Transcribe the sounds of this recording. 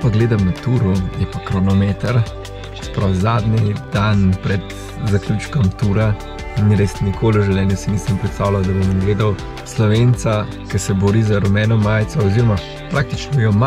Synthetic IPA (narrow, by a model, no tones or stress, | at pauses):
paɡleːd̪amnat̪uːɾujɛpakɾɔnɔmeːt̪əɾ | sɛ̥pɾawzaːd̪nid̪̥anpɾɛd̪ | zaklʲuːt͡ʃkɐmt̪uːɾa | niɾesnikʰoːlɔʒɛwlɛnjusinisəmpɾɛt̪st̪aːwlawd̪ɐbɔnmɡleːd̪aw | slɔʋent̪sa | kɐsɛbɔɾizaɾɔmɛːnɔmːaːjt̪sɔɔziɾɔma | pɾʔak̚t̪it͡ʃnɔjɔma